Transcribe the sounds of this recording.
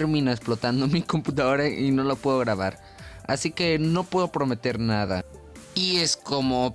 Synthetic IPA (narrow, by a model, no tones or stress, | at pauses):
ɾmĩnaesplo̞t̪and̪o̞miko̞mput̪aðo̞ɾaʔino̞lopwe̞ðoɣɾaβ̞aɾ | a̰sike̞no̞pwe̞ðo̞pɾo̞me̞t̪e̞ɾnaða̰ | iesko̞mo̞